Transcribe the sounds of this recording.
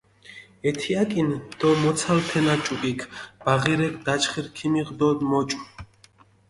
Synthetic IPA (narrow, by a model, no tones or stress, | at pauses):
ɛt̪ʰiakʼind̪̥ɔmɔt̪sʰalt̪ʰɛnat͡ʃʼupʼikʰb̥aʁiɾɛkʰd̪at͡ʃχiɾkʰimiʁd̪ɔd̪mɔt͡ʃʼu